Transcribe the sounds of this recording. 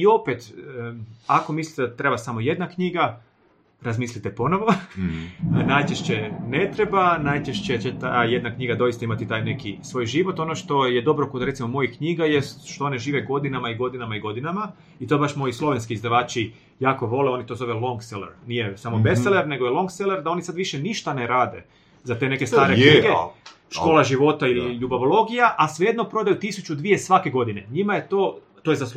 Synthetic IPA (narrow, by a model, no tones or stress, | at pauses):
io̞pet̪ | ako̞mislit̪ed̪at̪ɾe̞basamoje̞d̪nakɲiɡa | ɾazmiːslit̪epo̞noʋo | najt͡ʃeʃt͡ɕene̞t̪ɾe̞banajt͡ʃeʃt͡ɕet͡ɕet̪aje̞d̪nakɲiɡad̪o̞ist̪aimat̪it̪aːjne̞kisʋo̞ːjʒiʋo̞t̪o̞no̞ʃt̪o̞je̞d̪o̞bɾo̞kod̪ɾeimo̞mo̞jikɲiːɡaje̞st̪ʃt̪o̞o̞neʒiːʋeɡo̞d̪inamaiɡo̞d̪inamaiɡo̞d̪inama | it̪obaʃmo̞jislˠo̞ʋenskiizd̪aʋaːt͡ʃi | jaːko̞ʋo̞leo̞nit̪o̞zo̞ʋelˠo̞ŋɡselḛɾnijesamobeseleɾne̞ɡojelˠo̞ŋɡseleɾd̪ao̞nisad̪ʋiʃeniʃt̪aneɾaːd̪e | zat̪e̞neke̞saːɾekɲiːɡe | ʃko̞ːlˠaʒiʋo̞t̪ailiʎubaʋolo̞ɡijaʔasʋeje̞d̪nopɾo̞d̪ajut̪isut͡ʃud̪ʋijesʋake̞ɡo̞d̪ineɲimajet̪o̞ː | t̪ojezas